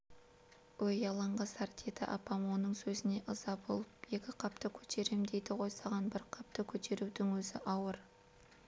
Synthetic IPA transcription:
wojɑlˠɑɴʁɑsɑɾt̪ʰe̞t̪ɪ̰ʔɑpɑmwonəɴsɵzɪne̞ʔəzɑbo̞lˠəpje̞kʲɪqʰɑp̚t̪əkʲʰɵ̥t̪ʰe̞ɾemd̪e̞jd̪ɪʁo̞jsɑʁɑnbɪɾqʰɑp̚t̪əkʲʰɵt̪ʰe̞ɾuwd̪ɪŋwɵzɪʔɑwəɾ

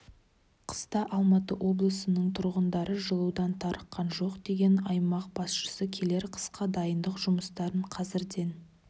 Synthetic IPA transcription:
qʰə̥st̪ɑʔɑlˠmɑt̪əwʔo̞blˠəsənəɴt̪ʰʊɾʁənd̪ɑɾəʒəlˠuwd̪ɑnt̪ʰɑɾʔəqːɑnʒo̞qd̪e̞ɡʲe̞nɑjmɑq̚bɑsʃə̥səkʲʰe̞le̞ɾqʰə̥sqɑd̪ɑjənd̪əqʒʊməst̪ɑɾəɴqʰɑzɪɾd̪e̞n

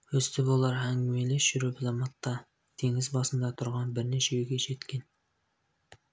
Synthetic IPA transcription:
ɵst̪ʰɪbolˠɑɾɦæŋʲmejlɪʃyɾyplˠɑmɑt̪ːɑ | t̪ʰeŋɪzbɑsɨmd̪ɑt̪ʰʊɾʁɑnbɪɾnɪt͡ʃʰeyjɡʲeʃet̪kʲen

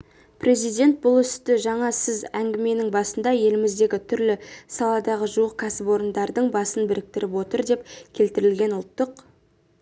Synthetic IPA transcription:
pʰre̞zijd̪ʲe̞nt̪̚bʊlˠʏst̪ɪʒɑɴɑsɪzæŋɡʲɪme̞nɪŋbɑsənd̪ɑje̞lɪmɪzd̪e̞ɡʲɪt̪ʰʏɾlɪsɑlˠɑd̪ɑʁəʒuəq̚kʰæsɪpwo̞ɾənd̪ɑɾd̪əɴbɑsənbɪɾɪk̚t̪ɪɾɪpwo̞t̪əɾd̪e̞pkʲʰe̞lt̪ɪɾɪlɡʲe̞nʊlˠt̪ːəq

